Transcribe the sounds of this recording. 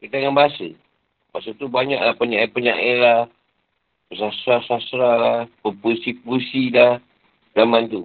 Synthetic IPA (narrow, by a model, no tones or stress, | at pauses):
kit̪aŋanbaasə̰ | basət̪ubaɲaʔlahpəɲaʔepəɲaʔela | pəsasɾasasɾalapəpusipusilah | zamant̪u